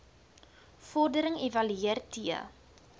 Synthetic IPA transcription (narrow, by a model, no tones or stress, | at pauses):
fɔrdəɾəŋevɐlyiərtiə̰